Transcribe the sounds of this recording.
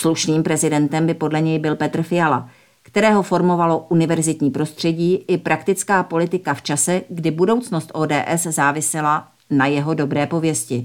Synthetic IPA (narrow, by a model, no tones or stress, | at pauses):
sluʃniːmpɾɛzɪdɛnt̪ɛmbɪpo̞dlɛɲɛjbɪlpɛt̪r̩fɪjala | kt̪ɛɾɛːɦofo̞ɾmo̞valo̞ʔunɪvɛɾzɪt̪ɲiːpɾo̞st̪r̥ɛɟiːʔɪpɾʔakt̪ɪt͡skaːpo̞lɪt̪ɪkaft͡ʃasɛɡdɪbudo̞wt͡sno̞st̪ʔoːdɛːʔɛszaːvɪsɛla | najɛɦo̞do̞bɾɛːpo̞vjɛscɪ